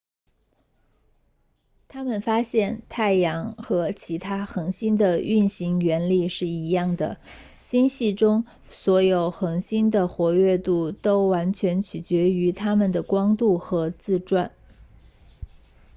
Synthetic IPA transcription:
t̪ʰa˥mə˨˩nfa˥ɕjɛ˥˧nt̪ʰa˥˩ɪjɑ˧˥ŋxɤ˧˥t͡ɕʰi˧˥t̪ʰa˥xɤ˧˥ŋɕi˥nd̪ə˨y˥˩nɕi˧˥ŋɥɛ˧˥nli˥˧ʂɻ̩˥˩i˧˥jɑ˥˩ŋd̪ə̰˩ | ɕi˥nɕi˥˩ʈ͡ʂʊ˥ŋ | swɔ˧˥jo˨˩ʊxɤ˧˥ŋɕi˥nd̪ə˨xwɔ˧˥ɥɛ˥˧t̪u˥˩t̪o˥ʊwa˧˥nt͡ɕʰɥɛ˧˥nt͡ɕʰy˨˩t͡ɕɥɛ˧˥y˧˥t̪ʰa˥mə˨nd̪ə˩kwɑ˥ŋt̪u˥˩xɤ˧˥t͡sɹ̩˥˧ʈ͡ʂwa˥˩n

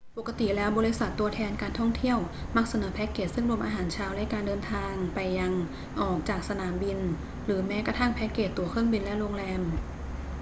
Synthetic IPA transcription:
po˨˩kːa˧t̪i˨˩lɛː˦˥wbɔː˧ɾi˧˥sa˨˩t̪ːu˧ɐt̪ʰɛː˧nkaː˧nt̪ʰɔ˥˩ŋt̪ʰi˥˩əwma˦˥˩k̚sa˧nɤː˩˦pʰɛ˦˥kːeː˨˩sɯ˥˩ŋɾu˧əmʔaː˧ɦaː˩˦nt͡ɕʰaː˧wlɛ˦˥kaː˧ndɤː˧nt̪ʰaː˧ŋpa˧jːa˧ŋ | ʔɔː˨˩k̚t͡ɕaː˨˩k̚sa˧naː˩˦mbi˧n | ɾɯː˩˦mɛː˦˥ka˧t̪ʰa˥˩ŋpʰɛː˦˥keː˨˩t̪ːu˧ɐkʰɾɯ˥˩əŋbi˧nlɛ˦˥ʔɾo˧ŋɾɛː˧m

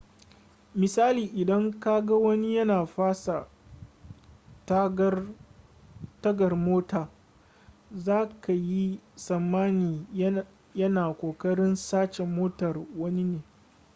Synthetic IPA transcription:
mɪ˨saː˦liː˨ʔɪ˨dɐ˦ŋka˦ɡa˦wɐ˦ni˦jɐ˦naː˨ɸaː˦sa˨ | t | tɐ˦ɡɐ˨rmoː˦taː˨ | zaː˦ka˨ji˦sɐ˨mːaː˦niː˨ | jɐ˦naː˨kʷoː˨kɐ˦ɽɪ˦nsaː˦t͡ʃɛ˨moː˦tɐ˨rwɐ˦ni˦neː˨

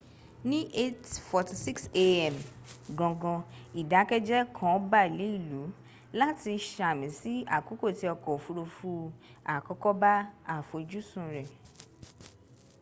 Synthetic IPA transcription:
nĩ˦ʔe˦tfɔ˧ti˧si˦kse˧ɛ˨m | ɡɔ̃˧ɡɔ̃˧i˨da˨˦kɛ˦d͡ʒɛ˦kʰɔ̃˦ba˦˨i˨le˨˦i˦˨lu˨˦ | la˦ti˧ʃa˧˨mĩ˨˦si˦a̰˦˨ku˨˦ko˦˨ti˧˦ɔ˧kɔ˨fu˧ɾo˧fu˧˦a˨kɔ˦kɔ˦ba˦a˦˨fo˨i˧d͡ʒu˦sũ˨ɾɛ˨

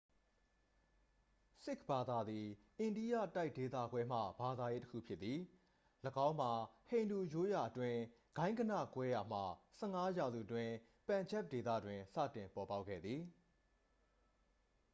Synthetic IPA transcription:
sɪ˦˨k̚ʰb̥a˨d̪a˨d̪i˨ʔɪ̃˨ndi˦jä̰˦˨ta˦ɪʔ̚de˨t̪a̰˦˨ɡwɛ˦m̥ä̰˦˨ba˨d̪a˨je˦təkʰṵ˦˨pʰjɪ˦t̪ːi˨ | ləɡã˦ʊ̃m̥a˨hẽ˨ɪ̃ndu˨jo˦ja˨ʔətwɪ̃˦ | ɡ̥ã˦ɪ̃ŋɡə˨nä̰˦˨kwɛ˦ja˨m̥a̰˦˨sɛ˦˨ŋa˦ja˨zṵ˦˨twɪ̃˦ | pã˨ɲd͡ʑɛ˦˨p̚de˨t̪ä̰˦˨dwɪ̃˨sa̰˦˨tɪ̃˨mpɔ˨pa˦ʊʔkʰːɛ̰˦˨d̪ði˨

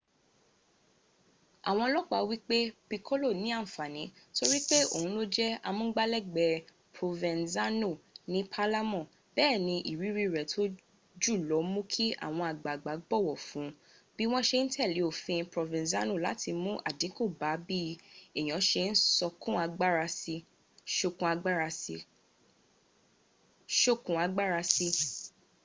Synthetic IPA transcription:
a̰˨w̃ɔ̃˧lɔ˦k͡pa˨˧wi˦k͡pe˦pi˧kʰo˦lo˦˨nĩ˨˦ã˦˨fa˨nĩ˨˦to˧ɾi˦k͡pe˦o̰˦˨hũ˨˦lo˦d͡ʒɛ˦a˧mũ˦ɡ͡ba˦lɛ˦˨ɡ͡bɛ˧ | pɾo˨vɛ̃˨nza˦no˦˨nĩ˦pʰa˦la˦mɔ̃˦˨ | bɛː˦˨nĩ˧ʔi˨ɾi˨˦ɾi˦ɾɛ˨tʰo˦ | d͡ʒu˦˨lɔ˨˦mũ˦kʰi˦ʔa̰˦˨w̃ɔ̃˧a˨ɡ͡ba˨ɡ͡ba˨˦ɡ͡bɔ˦˨wɔ˨fũ˨˦ | b̥i˦w̃ɔ̃˦ʃe˧n̩˦tʰɛ˦˨li˨˦o˨fĩ˧pɾo˨vĩ˨za˦no˦˨la˨˦tʰi˧mũ˦ʔa˦˨dĩ˨˦ko˦˨ba˨˦bi˦e˨j̃ɔ̃˨˦ʃe˧n̩˦sɔ˧kũ˦a˧ɡ͡ba˦ɾa˧si˧ | ʃo˧kũ˧˦a˧ɡ͡ba˦a˧i˧ | ʃo˦kũ˨a˧ɡ͡ba˦ɾa˧si˧

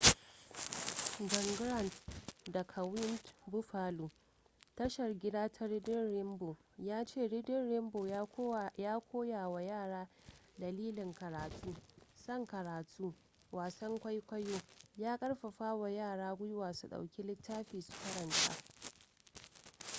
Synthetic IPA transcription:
d͡ʒɔ˨ŋɡɾɐ˦˨ntdɐ˨kʰɐ˨wɪ˦ntbʊ˦ɸaː˦luː˨ | tɐ˦ʃɐ˨rɡʲɪ˦daː˦tʰa˦ɾɪ˦dɪ˦nɾɪ˦mboː˨ | jaː˦t͡ʃeː˦˨ɽɪ˦dɪ˦nɾɪ˦mboː˨jaː˦kʷʰoː˦jaː˨wa˨jaː˦˨ɽaː˦ | dɐ˨liː˦lɪ˨ŋkɐ˨ɾaː˨tʰuː˦sɐ˦˨ŋkɐ˨ɾaː˨tʰuː˦ | waː˨sɐ˦ŋkʷa˦jkʷɐ˦joː˦jaː˦kʼɐ˦ɽɸa˨ɸaː˦wa˨jaː˦˨ɽaː˦ɡʷʊ˦jʊ˦waː˨su˨ɗa̰˨wkʲi˦lɪ˦tʰːaː˦ɸiː˨su̥˨kɐ˦ɾɐ˨ntʰa̰ː˦

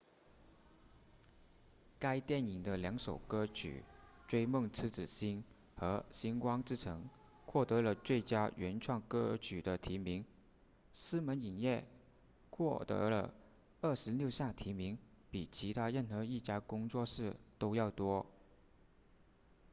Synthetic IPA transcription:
ka˥ɪt̪jɛ˥˩ni˨˩ŋd̪ə˦ljɑ˧˥ŋʂo˨˩ʊkɤ˥t͡ɕʰy̰˨˩ʈ͡ʂwe˥ɪmɤ˥˩ŋt͡sʰɹ̩˥ʈ͡ʂɻ̩˨˩ɕi˥n | xɤ˧˥ɕi˥nkwɑ˥ŋʈ͡ʂɻ̩˥˩ʈ͡ʂʰɤ˧˥ŋ | xwɔ˥˩t̪ɤ˧˥lə˧t͡swe˥˩ɪt͡ɕja˥ɥɛ˧˥nʈ͡ʂʰwɑ˥˩ŋkɤ˥t͡ɕʰy˨˩d̪ə˦t̪ʰi˧˥mi˧˥ŋ | sɹ̩˥mə˧˥ni˨˩njɛ˥˩ | xʰwɔ˥˩t̪ɤ̰˧˥lə̰˧ | ə˥˩ʂɻ̩˧˥ljo˥˧ʊɕja˥˩ŋt̪ʰi˧˥mi˧˥ŋ | pi˨˩t͡ɕʰi˧˥t̪ʰa˥ɻə˥˩nxɤ˧˥i˥˩t͡ɕja˥kʊ˥ŋt͡swɔ˥˧ʂɻ̩˥˩t̪o˥ʊjɑ˥˩ʊt̪wɔ˥

